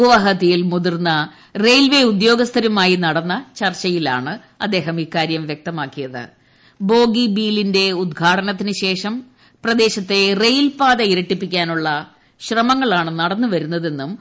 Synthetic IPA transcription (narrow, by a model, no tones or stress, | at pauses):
uʋɐɦɐt̪ːijilmuðirnːɐ | rejlʋe̞ud̪jo̞ːɡɐst̪ʰɐɾumaːjinɐɽɐnːɐt͡ɕɐrt͡ɕɐjila̰ːɳɨ | ɐd̪ːe̞ːɦɐmiːkaːɾjɐmʋjek̚t̪ɐmaːkːijɐðɨ̰ | bo̞ːɡibiːlinde̞ud̪ɡʱaːʈɐnɐt̪ːinɨɕe̞ːʂɐm | prɐd̪e̞ːɕɐt̪ːe̞rejlpaːd̪ɐiɾɐʈːipːikʲːaːnuɭːɐ | ɕrɐmɐŋːɐɭaːɳɨnɐɽɐnːuʋɐɾunːɐðe̞nːum